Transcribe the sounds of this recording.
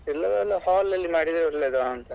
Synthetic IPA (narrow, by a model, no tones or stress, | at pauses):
ɛlːɐdɐlːɐhaːlːɐlːimaːɽid̪ɾɐɾleːd̪oɐnt̪ɐ